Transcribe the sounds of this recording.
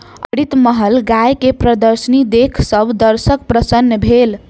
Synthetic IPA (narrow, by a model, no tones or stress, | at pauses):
ə̰ɽit̪məɦəlɡajkepɾəd̪əɾsənid̪ekʰsəbʱd̪əɾsəkpɾəsənːəbʱel